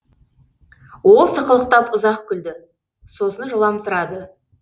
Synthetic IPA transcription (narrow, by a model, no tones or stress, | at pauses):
wo̞lˠsəqəlˠəq̚t̪ɑpʊzɑqkʲʰʏld̪ɪ | so̞sənʒəlˠɑmsʊɾɑd̪ə